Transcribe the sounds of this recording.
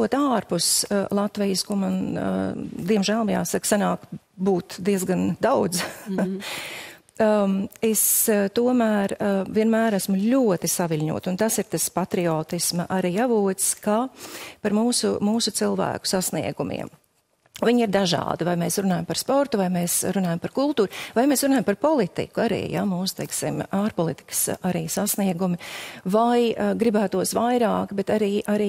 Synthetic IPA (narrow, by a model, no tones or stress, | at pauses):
uɔt̪aːɾpuslˠat̪vijskuman̰ | d̪iɛmʒæːlˠmja̰ːsaksanaːk | buːt̪d̪iɛzɡand̪awd̪z | est̪uɔmæːɾviɛnmæːɾæsmʊʎʲuɔt̪isaʋilʲɲṵɔt̪unt̪asiɾt̪aspat̪ɾiɔːt̪ismɐʔaɾiːavuɔt̪skapaɾmuːsṵmuːsʊt̪silˠvæ̰ːkʊ̥sasnḭɛɡumḭɛm | viɲiɾd̪aʒɑ̰ːd̪ivajmɛːsɾunɑːjmpaɾspɔɾt̪uvajmɛːsɾunɑːjampaɾkulˠt̪uːɾvajmesɾunɑːjmpaɾpɔlˠit̪ḭkuaɾḭːja̰muːsʊ̥t̪ɛjksḭmaːɾpɔlˠit̪i̥kə̥saɾiːsasniɛɡumɪvajɡɾibæːt̪uɔsvajɾɑːkbɛt̪aɾiːʔaɾiː